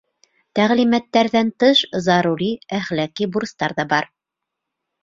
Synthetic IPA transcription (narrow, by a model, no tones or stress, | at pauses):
t̪æʁlimæt̪ːæɾðænt̪ɤʃzɑɾuɾiæχlækibuɾst̪ɑɾðɑbɑɾ